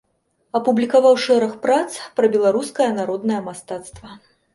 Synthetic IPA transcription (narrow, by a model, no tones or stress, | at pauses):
ɐpublʲikavawʂɛɾɐxpɾat̪spɾɐbʲɛlˠaɾuskɐjɐnaɾɔd̪nɐjɐmast̪at̪st̪vɐ